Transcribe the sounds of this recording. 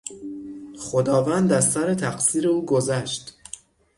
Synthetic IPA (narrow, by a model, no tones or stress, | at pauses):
χod̪ɒːvænd̪æssæɾet̪ʰæqsiːɾeuːɡozæʃt̪